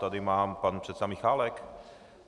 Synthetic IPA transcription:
t̪ad̪ɪmaːmpanpr̥ɛt̪sɛamiːxaːlɛk

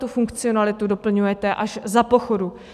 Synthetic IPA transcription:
t̪ufuŋkt͡sɪonalɪt̪udo̞pl̩ɲujɛt̪ɛʔaʃzapo̞xo̞du

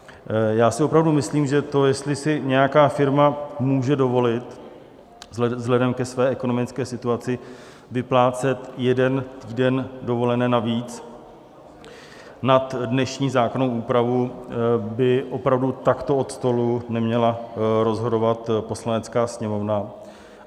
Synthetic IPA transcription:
jaːsɪʔo̞pɾavdumɪsliːmʒɛt̪o̞jɛst̪lɪsɪɲɛjakaːfɪɾmamuːʒɛdo̞vo̞lɪt̪ | zzɦlɛdɛmkɛsvɛːʔɛko̞nomɪt͡skɛːsɪt̪uat͡sɪ | vɪplaːt͡sɛt̪jɛdɛnt̪iːdɛndo̞vo̞lɛnɛːnaviːt͡s | nat̪dnɛʃɲiːzaːkonowuːpɾavu | bɪʔo̞pɾavdut̪akt̪o̞o̞t̪st̪o̞lunɛmɲɛlaɾo̞zɦo̞do̞vat̪po̞slanɛt͡skaːsɲɛmo̞vna

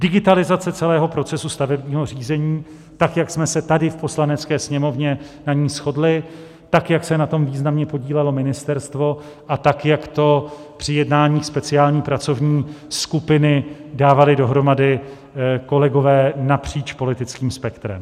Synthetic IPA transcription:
dɪɡɪt̪alɪzat͡sɛt͡sɛlɛːɦo̞pɾo̞t͡sɛsust̪avɛbɲiːɦo̞r̝iːzɛɲiː | t̪akjaksmɛsɛt̪adɪfpo̞slanɛt͡skɛːsɲɛmo̞vɲɛnaɲiːsxo̞dlɪ | t̪akjaksɛnat̪o̞mviːznamɲɛpo̞ɟiːlɛlo̞mɪnɪst̪ɛɾst̪vo̞ | ʔat̪akjakt̪o̞pr̝̥ɪjɛdnaːɲiːxspɛt͡sɪaːlɲiːpɾat͡so̞vɲiːskupɪnɪdaːvalɪdo̞ɦɾo̞madɪ | ko̞lɛɡo̞vɛːnapr̝̥iːt͡ʃpo̞lɪt̪ɪt͡skiːmspɛkt̪ɾɛ̰m

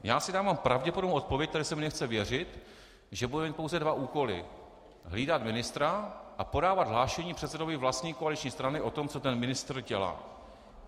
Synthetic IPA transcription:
jaːsɪdaːvampɾavɟɛpodobnowʔot̪̚po̞vjɛc̚t̪adɪsɛmɪnɛxt͡sɛvjɛr̝ɪt̪ | ʒɛbudɛmiːt̪̚powzɛdvaʔuːko̞lɪ̰ | ɦliːdat̪mɪnɪst̪ɾaʔapo̞daːvad̪ɦlaːʃɛɲiːpr̝̥ɛt̪sɛdo̞vɪvlast̪ɲiːkoalɪit͡ʃɲiːst̪ɾanɪʔo̞t̪o̞mt͡so̞t̪ɛnmɪnɪst̪r̩ɟɛla̰ː

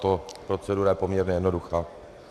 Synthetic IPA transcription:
t̪opɾo̞t͡sɛduːɾajɛpomɲɛɾɲɛjɛdno̞duxaː

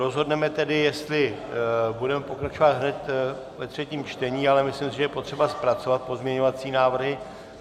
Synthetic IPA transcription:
ɾo̞zɦo̞dnɛmɛt̪ɛdɪjɛst̪lɪ | budɛmɛpo̞kɾat͡ʃo̞vad̪ɦnɛt̪ | vɛt̪r̝̥ɛciːmt͡ʃt̪ɛɲiːalɛmɪslɪmsɪʒɛjɛpo̞t̪r̥ɛbaspɾatt͡so̞vat̪̚po̞zmɲɛɲo̞vat͡siːnaːvr̩ɦɪ

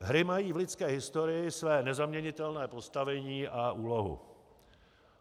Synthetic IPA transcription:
ɦɾɪmajiːvlɪt͡skɛːɦɪst̪o̞ɾɪjɪsvɛːnɛzamɲɛɲɪt̪ɛlnɛːpo̞st̪avɛɲiːʔaʔuːlo̞ɦṵ

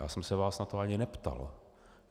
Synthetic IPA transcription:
ja̰ːsɛmsɛvaːsnat̪oaɲɪnɛpt̪a̰l

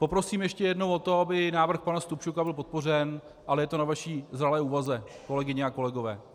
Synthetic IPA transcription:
po̞pɾo̞siːmjɛʃcɛjɛdno̞wo̞t̪o̞abɪnaːvr̩xpanast̪upʃukabɪlp̬o̞t̪̚po̞rɛn | ʔalɛjɛt̪o̞navaʃiːzralɛːuːvazɛko̞lɛɡɪɲɛako̞lɛɡo̞vɛː

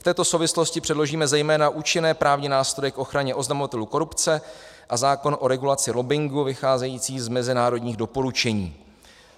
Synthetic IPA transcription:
ft̪ɛːt̪o̞sowvɪslo̞scɪpr̥ɛdlo̞ʒiːmɛzɛjmɛːnaʔuːt͡ʃɪnɛːpɾaːvɲɪnaːst̪ɾo̞jɛkʔo̞xɾaɲɛʔo̞znamo̞vat̪ɛluko̞ɾupt͡sɛ | ʔazaːko̞nʔo̞ɾɛɡulat͡sɪɾobɪŋɡuvɪxaːzɛjiːt͡siːzmɛzɪnaːɾo̞dɲiːɣdo̞po̞ɾut͡ʃɛɲiː

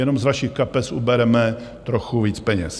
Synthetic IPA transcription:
jɛno̞mzvaʃixkapɛsubɛɾɛmɛ | t̪ɾoxuviːt͡spɛɲɛ̰s

